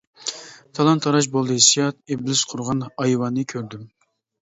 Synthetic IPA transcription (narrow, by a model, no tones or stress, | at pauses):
t̪ʰɑlˠɑnt̪ʰɑɾɑʃ̬bolˠd̪ɨhisijɑt̪̚eblɪsqʰʊɾʁɑnɑjwɑnːɨkʲʰøɾd̪ym